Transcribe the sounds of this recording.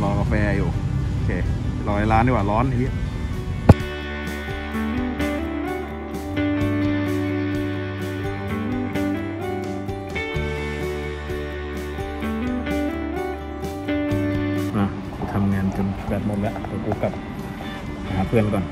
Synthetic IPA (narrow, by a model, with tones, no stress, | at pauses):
lɔː˧˩ka˧fɛː˧juː˨˩˧kʰeː˧˩lɔː˧˩˨laː˦˥ni˧˨waː˨˩lɔː˦˥nt̪ʰi˧˦˥ | a˧˩ | ku˧˩t̪ʰa˧mŋaː˧nt͡ɕo˧n˧bɛː˧˩t̪̚mo˨˧˩lɛ˦˧ʔt̪o˨˧˩kuː˧˩ka˨˧˩p̚ | a˧ɦaː˨˦˥pʰɯ˧˩ənla˧˥kɔː˧˨n